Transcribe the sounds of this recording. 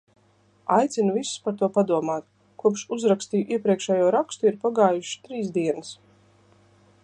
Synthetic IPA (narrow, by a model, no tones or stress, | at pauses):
ajt̪sʲinuvisu̥spaɾt̪uɔpad̪uɔmaːt̪ | kuɔpʃuzɾakst̪iːʔiɛpɾiɛkʃɛjuɔɾakst̪uiɾpaɡaːjuʃi̥t̪ɾiːsd̪iɛnɨs